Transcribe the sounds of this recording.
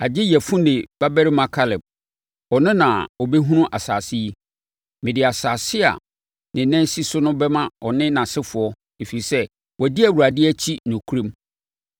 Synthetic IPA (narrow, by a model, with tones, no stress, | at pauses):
a˨d͡ʑɪ˦jɛ˨fũ˦nɪ̃˨b̥a˦bɛ˦ɾmã˦kʰa˦lɛ˨b̚ | ɔ˨nɪ̃˦nã˨ɔ˨bɛ˦ɦũ˦nʊ̃˦ʔa˨saː˨sɪ˦ji˦ | mɪ̃˨dɪ˨a˨saː˨sɪ˦a̰˨ | nɪ̃˨nɛ̃˦si˦sʊ˦nʊ̃˦bɛ˦mã˦ɔ˨nɪ̃˦nã˨sɪ˦fʊ˨ɔ˦ | e˨fi˨i˨sɛ˦ | wɔ˨dɪ˦æ˨wu˨ɾa˨dɪ˦æ˦t͡ɕʰi˦nʊ̃˨kʰu˦ɾẽ˦m